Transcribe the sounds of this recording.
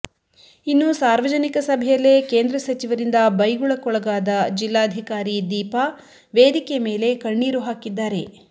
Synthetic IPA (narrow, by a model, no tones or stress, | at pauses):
inːusaːɾʋɐd͡ʒɐnikɐsɐbʱɛjɐlːeːkeːnd̪ɾɐsɐt͡ʃiʋɐɾind̪ɐbɐjɡuɭɐkɔɭɐɡaːd̪ɐd͡ʒilːaːɐd̪ʱikaːɾid̪iːpa | ʋeːd̪ikeme̞ːle̞kɐɳːiːɾuɦaːkid̪ːaːɾe̞